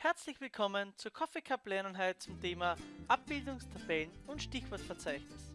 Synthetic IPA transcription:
hɛɐt͡slɪçvɪlkʰɔmənt͡suːɐkʰɔfekʰaplɛnənɦaɪt̚t͡sʊmtʰeːmaʔap̚b̥ɪldʊŋstʰab̥ɛlnʊntʃtɪçv̥ɔɐtfɛɐt͡saɪçnɪs

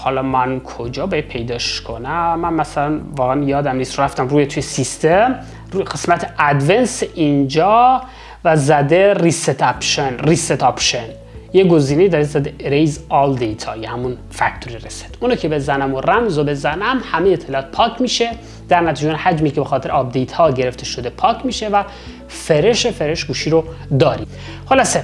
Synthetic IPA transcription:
hɒlɒmænkʰod͡ʒɒːbɒjed̪̚pʰe̞jd̪ɒːʃkʰonæːænmæsælænvɒːɣæænjɒːd̪æmniːst̪ɾoɾæft̪æmruːjet̪ʰujesist̪ʰem | ɡe̞smæt̪ʰeæd̪venseʔind͡ʒɒː | væzæd̪eriset̪ʰæpʃenriset̪ʰɒpʃen | jeɡoziːnejid̪ɒɾezæd̪eɾejzɒld̪ejt̪ʰɒ̰ːjehæmun | fæct̪ʰoɾirese̥d̪unɑcʰe̞be̞zænæmoræmzobe̞zænæmhæmejet̪ʰːelːt̪̚pʰɒːkʰmiːʃe̞ | d̪̥æɾnæt̪iːd͡ʒeunhæd͡ʒmiːkʰebexɒːt̪ʰeɾɛɒb̚d̪ejt̪hɒːɟe̞ɾeft̪e̞ʃod̪epʰɒːcʰmiːʃe̞væ | feɾe̞ʃefeɾeʃɡuːʃiːɾod̪ɒːɾi | holɒse

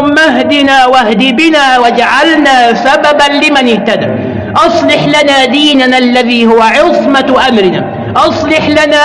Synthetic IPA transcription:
mːaɦd̪ɪnaːwahd̪iːbɪnaːwad͡ʒaʕalnaːsababanlɪmanɪht̪ad̪aː | ʔɑsˤlɪħlanaːd̪iːnanʔalːaðiːhʊwaʕɪsˤmaʔamɾɪnaː | ʔɑsˤlɑħlanaː

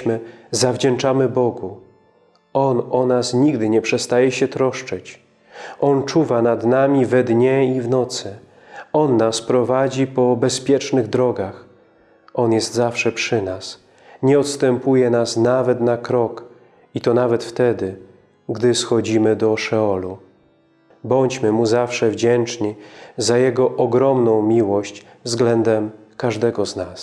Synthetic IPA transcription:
mɘzavd͡ʑɛɳt͡ʂamɘbɔɡu | ɔnɔnasɲiɡd̪ɘɲɛpʂɛst̪ajɛɕɛt̪ɾɔʂt͡ʂɛt͡ɕ | ɔnt͡ʂuvanad̪namʲivɛd̪ɲɛivnɔt̪sɘ | ɔnːaspɾɔvad͡ʑipɔbɛspʲjɛt͡ʂnɘɣd̪ɾɔɡax | ʔɔnjɛst̪zafʂɛpʂɘnas | ɲɛɔt̪st̪ɛmpujɛnasnavɛt̪nakɾɔk | it̪ɔnavɛt̪ft̪ɛd̪ɘ | ɡd̪ɘsxɔd͡ʑimɘd̪ɔʂɛɔlu | bɔɲt͡ɕmɘmuzafʂɛvd͡ʑɛnt͡ʂɲizajɛɡɔʔɔɡɾɔmnɔ̃w̃mʲiwɔɕt͡ɕ | vzɡlɛnd̪ɛmkaʐd̪ɛɡɔznas

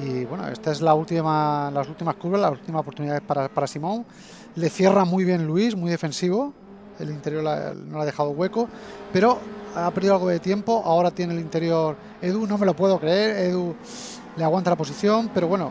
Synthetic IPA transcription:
iβwe̞no̰est̪aezlault̪imalasult̪imaskuɾβelasult̪imasop̬oɾt̪uniðaðepaɾapaɾasimõ̞ŋ | le̞θje̞ramujβ̞jẽ̞nluizmujðe̞fẽ̞nsiβ̞o̞ | e̞̰lint̪e̞ɾjo̞ɾa̰no̞laðe̞xaðoɣwe̞kope̞ɾo̞apeɾðiðoalɣo̞ðe̞t̪je̞mpo̞ʔaoɾat̪je̞nelint̪e̞ɾjo̞ɾ | e̞ðunõ̞me̞lo̞pwe̞ðo̞kɾee̞ɾe̞ðu | leaɣwant̪alapo̞siθjo̞mpe̞ɾowe̞no̰

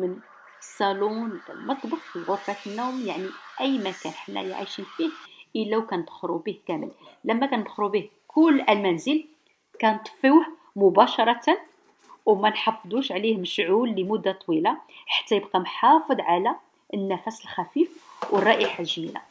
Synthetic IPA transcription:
mən | sˤːɑlunə̰lmɑt̪ˤbɑqfiɣʊfæt̪ənːumjaʕniʔəjːmækænħnːæ̰jʕḭʃinfihʔəlːæwkænd̪xɾubihkæməllæmːækænbxɾubih | kʰʊlːʔælmænzəl | kænt̪ˤfiwh | mʊbæʃɑɾˤɑt̪an | wmænħɑfd̪ˤuʃʕlihməʃʕulːəmʊd̪ːat̪ˤwilaħḁt̪ːæjəb̚qɑmħɑfəd̪ˤʕalæ | ʔənːæfæsəlxæfifwʔərˤːɑʔiħaʒmila̰

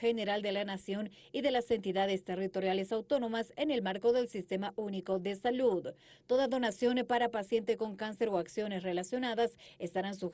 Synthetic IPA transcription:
xene̞ɾald̪e̞lanasjo̞n | iðe̞lase̞nt̪iðaðe̞st̪e̞rit̪o̞ɾjale̞sawt̪o̞no̞mase̞ne̞lmaɾko̞ðe̞lsist̪e̞mauniko̞ðe̞saluð | t̪o̞ðaðo̞nasjo̞npaɾapasjent̪eko̞ŋkanse̞ɾo̞aksjo̞nesre̞lasjo̞naðasest̪aɾansu

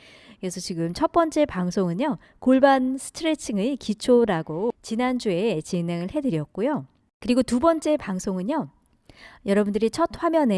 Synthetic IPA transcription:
kesʰʌt͡ɕiɡɯmt͡ɕʰʌt̚p͈ʌnt͡ɕ͈e̞paŋsʰoŋɯɲo | koɭbansʰɯ̥tʰɯɾe̞t͡ɕʰiŋikit͡ɕʰoɾaɡot͡ɕinand͡ʑue̞t͡ɕine̞ŋɯɭhe̞dɯɾijʌk̚k͈ojo | kɯɾiɡotubʌnt͡ɕ͈e̞paŋsʰoŋɯɲo | jʌɾʌbundɯɾit͡ɕʰʌt̚ɸwamjʌne

